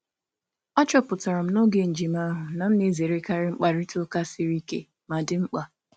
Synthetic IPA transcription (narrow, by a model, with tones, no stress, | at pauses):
ɔ˦t͡ʃɔ˦pʊ˨tɔ˨ɾɔ˨m̩˦no˦ɡe˨n̩˨d͡ʒi˨ma˦ɦʊ˨na˨m̩˦ne˨ze˨ɾe˦ka˦ɾɪ˦ŋ͡m̩˦k͡pa˨ɾɪ˦to˦ka˦sɪ˦ɾi˦kḛ˦ | ma˨dɪ˦ŋ͡m̩˦k͡pa˦